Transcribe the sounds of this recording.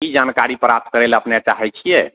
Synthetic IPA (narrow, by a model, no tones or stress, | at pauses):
kid͡ʒankaɾipɾap̚t̪̚ʰkəɾeləpnat͡ʃaɦɛt͡ʃʰijɛ